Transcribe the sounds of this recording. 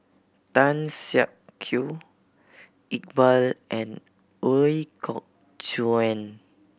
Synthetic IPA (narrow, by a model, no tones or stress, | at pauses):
t̪ãnsaʔ̚kʰju | ik̚bəlʔɛ̃n | oikʰɔk̚ | d͡ʒuɛ̃n